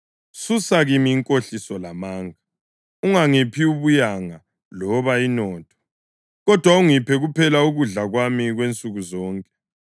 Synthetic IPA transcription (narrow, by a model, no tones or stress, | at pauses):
susaɣimiːŋkʼoɬisɔlamaːŋa | uŋaŋipʰiuβujaŋa | lɔβainɔːtʰɔ̥ | ɣɔd̥ʱwauŋipʰɛɣupʰɛlauɣuɮaɣwamiɣwent͡sʼuɣuzɔːŋkʼɛ